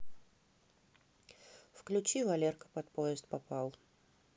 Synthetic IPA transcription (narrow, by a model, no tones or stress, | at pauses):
fklʲʉt͡ɕivɐlʲerkə̥pɐt̪̚pojɪst̪̚papalˠ